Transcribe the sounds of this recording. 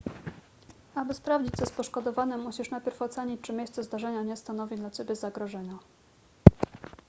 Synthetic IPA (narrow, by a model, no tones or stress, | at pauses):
abɘspɾavd͡ʑit͡ɕzɛspɔʂkɔd̪ɔvaɲɛmːuɕiʂnajpʲjɛɾfɔt̪sɛɲit͡ɕt͡ʂɘmʲjejst̪sɛzd̪aʐɛɲaɲɛst̪anɔvʲid̪lat͡ɕebʲɛzaɡɾɔʐɛɲa